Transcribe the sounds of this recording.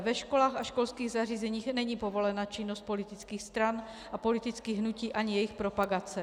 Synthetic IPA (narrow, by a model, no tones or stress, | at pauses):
vɛʃkɔlaːɣaʃkɔlskiːɣzariːzɛɲiːxnɛɲiːpɔvɔlɛnaːt͡ʃinːɔsc̚pɔlit̪it͡skiːxst̪ɾan | ʔapɔlit̪it͡skiːɣɦnuciːʔaɲijɛjixpɾɔpaɡat͡sɛ